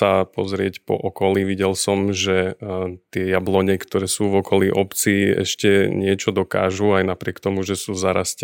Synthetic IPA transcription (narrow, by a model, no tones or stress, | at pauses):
apɔzɾɪɛcpɔ̰ʔɔkɔliʋiɟɛlsɔmʒɛt̪ɪɛjablɔɲɛkt̪ɔɾɛːsuːvɔkɔliʔɔpt͡siɛ̰ʃcɛɲɪɛt͡ʃɔd̪ɔka̰ːʒuajnapɾɪɛkt̪ɔmuʒɛsuːzaɾasc